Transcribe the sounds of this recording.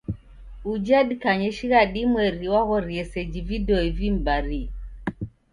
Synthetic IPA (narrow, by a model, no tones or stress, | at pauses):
ud͡ʒaɗikaɲɛʃiɣaɗimwɛɾiwaɣɔɾiɛsɛd͡ʒividɔivim̩baɾi